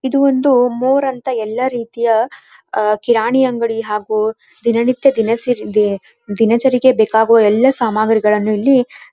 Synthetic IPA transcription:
id̪uond̪umoːɾɐnt̪ɐɛlːɐɾiːt̪ijɐ | kiɾaːɳijɐŋɡɐɭiɦaːɡuː | d̪inɐnit̪jɐd̪inɐ | d̪inɐt͡ʃɐɾiɡebeːkaːɡuʋɐɛlːɐsaːmaːɡɐɾiɡɐɭɐnːuilːi

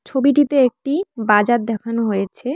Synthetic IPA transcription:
t͡ɕʰobiʈit̪eek̚ʈibad͡ʑaɾ̚d̪ɛkʰanoɦojet͡ɕʰe

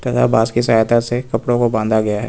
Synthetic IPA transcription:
t̪ɐt̪ʰa̰baːskisaːjt̪asekɐpɽõkobãːnd̪aɡɐjaɦɛ̰ː

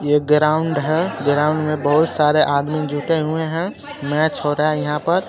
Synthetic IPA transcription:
jeɡɾaːʊɳɖɦɛɡɾaːʊ̃ɳɖmẽbəɦʊt̪saːɾeʔaːd̪mid͡ʒʱuʈeɦueɦɛ̃ | mɛt͡ʃʰɦoɾəajɐɦãpəɾ

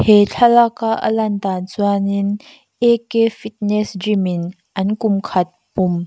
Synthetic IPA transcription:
het͡ɬʰɐlakaʔə̰lɐnt̪aːnt͡suanin | ʔekefit̚nɛsdrimin | ʔɐnkʊmkʰɐt̪̚pʊm

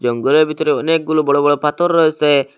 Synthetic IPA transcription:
d͡ʒɔŋɡɔlɔbʱit̪ɔɾeɔnek̚ɡulubɔɽobɔɽopat̪ɔɾːɔse

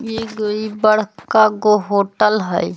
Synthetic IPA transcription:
jeɡoibəɽ̤kaɡoɦoːʈəlɦəj

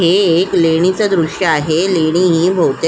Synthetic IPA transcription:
ɦeːkleɽ̃it͡səd̪ɾuɕjəaɦeleɽ̃iɦiːbʱowt̪e

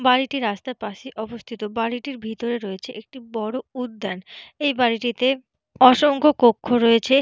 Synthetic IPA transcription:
baɾiʈiɾast̪aepaʃiʔɔbost̪ʰit̪obaɽiʈiɾbʱit̪oɾeɾoet͡ɕʰeʔek̚ʈibɔɽoud̪ːɛnejbaɾiʈit̪e | ɔʃoŋkokokʰːoɾoet͡ɕʰe

